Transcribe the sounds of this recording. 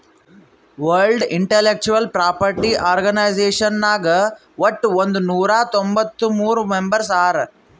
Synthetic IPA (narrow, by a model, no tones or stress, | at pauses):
ʋɐɾɭɖiɳʈelek̚t͡ʃuʋɐlpɾaːpɐɾʈiʔaːɾɡɐnɐjd͡ʒeːʂɐnːaːɡɐ | ʋɐʈːond̪unuːɾaːt̪ombɐt̪ːumuːɾumembɐɾsaːɾ